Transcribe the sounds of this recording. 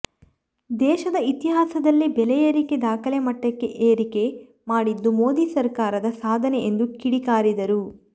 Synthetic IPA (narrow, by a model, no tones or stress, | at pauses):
d̪ɛːʃɐd̪ɐit̪iɦaːsɐd̪ɐlːibɛlɛjɐɾiked̪aːkʰɐlemɐʈːɐkːe̞̰ʔeːɾike̞ | maːɽid̪ːumo̞ːd̪isɐɾkaːɾɐd̪ɐsaːd̪ʱɐneend̪ukiɽikaːɾid̪ɐɾu